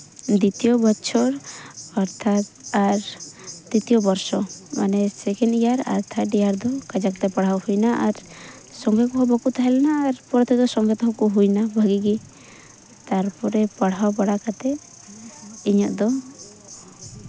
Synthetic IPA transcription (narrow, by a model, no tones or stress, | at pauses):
d̪it̪ijɔbɔːt͡ʃʰɔɾɔɾt̪ʰat̪̚aɾt̪it̪ijɔbɔɾsɔmanesɛkɛnijaɾa̰ɾt̪ʰaɖijaɾd̪ɔkad͡ʒak̚t̪ɛpaɽ̤awhujnaʔaɾ | sɔŋɡɛkɔɦɔbɔkut̪ʰaɦɛlanaːɾpɔɾɔt̪ʰɛd̪ɔsɔŋɡɛt̪ɔɦɔkuɦujnabʱəɡiɡi | t̪aɾpɔɾɛpaɽ̤awpaɽakat̪ɛ | iɲɔʔd̪ɔ